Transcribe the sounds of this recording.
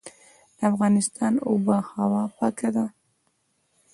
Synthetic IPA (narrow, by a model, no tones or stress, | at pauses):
d̪afɣɑnɪst̪ʰɑːnubəhawɑpɑkad̪a